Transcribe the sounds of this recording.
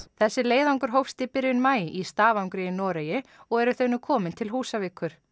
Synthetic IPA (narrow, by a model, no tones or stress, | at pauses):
θɛsːɪleːjðawŋkʏɾ̥ɦowfst̪ɪpɪɾjʏnmaːjɪʔist̪aːvawŋkɾejɪnɔːɾejɪɔɣɛɾʏθeɥnʏkʰɔːmɪnt̪ʰɪlɦuːsavɪkʰːʏɾ̥